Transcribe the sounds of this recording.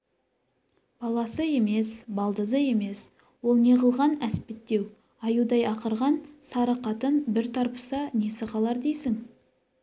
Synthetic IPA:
b̥ɑlˠɑsəe̞me̞sbɑlˠd̪əzəe̞me̞s | wo̞lˠne̞ʁəlˠʁɑnæspet̪ːe̞w | ɑjud̪ɑjɑqəɾʁɑnsɑɾɑqɑt̪ənbɪɾt̪ʰɑɾpə̥sɑne̞sɪqɑlˠɑɾd̪ejsɪŋ

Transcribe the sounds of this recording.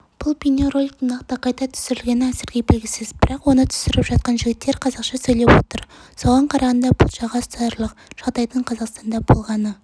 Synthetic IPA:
b̥ʊlˠpʲinoɾo̞lʲkt̪ɪnɑqt̪ɑqʰɑjt̪ɑt̪ʰʏ̥sɪɾɪlɡʲe̞nɪæsɪɾɡʲebɪlɡʲɪsɪzbɪɾɑqwo̞nət̪ʰʏ̥sɪɾɪpʒ̥ɑt̪̚qɑnʒɪɡʲɪt̪ːe̞ɾqʰɑzɑqʃɑsɵjlepwo̞̰t̪əɾso̞ʁɑɴqʰɑɾɑʁɑnd̪ɑbʊ̰lˠʒɑʁɑst̪ɑɾlˠəqʒ̥ɑʁd̪ɑjt̪əɴqʰɑzɑqst̪ɑnd̪ɑbo̞̰lˠʁɑnə

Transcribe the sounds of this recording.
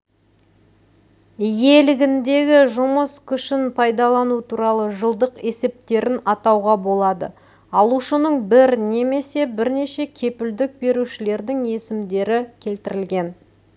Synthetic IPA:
je̞lɪɡʲɪnd̪e̞ɡʲɪʒʊməskʲʰʏʃɪnpʰɑjd̪ɑlˠɑnut̪ʰuɾɑlˠəʒəlˠd̪əqe̞se̞p̚t̪e̞ɾɪnɑt̪ɑwʁɑbo̞lˠɑd̪ə̰ | ɑlˠuʃənəɴbɪɾne̞me̞se̞bɪɾne̞ʃe̞kʲʰe̞pɪld̪ɪk̚be̞ɾuʃɪle̞ɾd̪ɪŋe̞sɪmd̪e̞ɾɪkʲʰe̞lt̪ɪɾɪlɡʲe̞n

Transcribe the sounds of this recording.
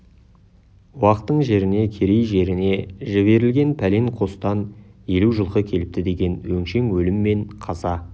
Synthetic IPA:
wɑqət̪ːəɴʒe̞ɾɪne̞kʲʰe̞ɾe̞jʒe̞ɾɪne̞ʒɪβe̞ɾɪlɡʲe̞npʰæleŋqʰo̞st̪ɑnje̞luʒəlˠqəkʲʰe̞lɪp̚t̪ɪd̪e̞ɡʲe̞nwɵŋʃe̞ŋwɵlɪmːe̞ɴqʰɑzɑ

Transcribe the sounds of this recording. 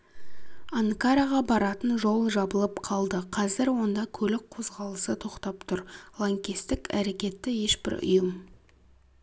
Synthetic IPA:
aŋkaɾaʁɑbɑɾɑt̪ənʒo̞lˠʒɑbəlˠəpqʰɑlˠd̪əqʰɑzɪɾwo̞nd̪ɑkʲʰɵlɪk̚qʰo̞zʁɑlˠəsət̪ʰo̞qt̪ɑpt̪ʰʊɾlˠoŋkʲist̪ɪkæ̰ɾe̞kʲe̞t̪ːɪje̞ʃbɪ̰ɾʊ̰jəm

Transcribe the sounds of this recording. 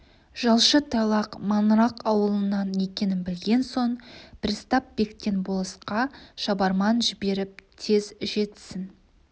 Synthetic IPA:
ʒ̥ɑlˠʃət̪ʰɑlˠɑqmɑnɾɑqɑwəlˠənːɑne̞kʲe̞nɪnbɪlɡʲe̞nso̞ɴpɪɾst̪ɑp̚be̞kt̪e̞nbolˠəsqɑʃɑbɑɾmɑnʒɪbe̞ɾɪp̚t̪ʰe̞zʒe̞t̪sɪn

